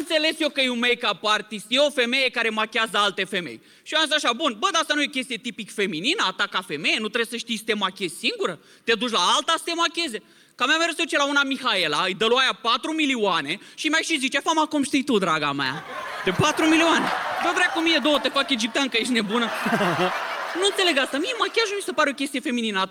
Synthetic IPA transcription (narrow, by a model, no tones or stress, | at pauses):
ɨnt̪se̞le̞sjokəjumejkapart̪ist̪jeo̞fe̞me̞je̞kaɾe̞makʲeazəalt̪e̞fe̞me̞̰j | ʃiamzisaʃabunbəd̪aast̪anujekʲe̞st̪ije̞t̪ipikfe̞mininəat̪akafemejenut̪ɾebsəʃt̪ijst̪emakʲezsiŋɡuɾə | t̪ed̪ut͡ʃʲlaalt̪ast̪emakʲe̞zʲe | kamameɾeseut͡ʃelaunamixaelaɨjd̪əloajapat̪ɾumilioane̞ʃimajʃizit͡ʃafamakumʃt̪ijt̪ud̪ɾaɡama̰d̪epat̪ɾumilioane̞bəd̪ɾejakomijed̪owət̪efake̞d͡ʒip̚t̪iankəjeʃ̬t̪ne̞bunə | nuɨnseleɡast̪amiemakʲeaʃnumʲisepaɾeo̞kʲe̞st̪iefe̞mininə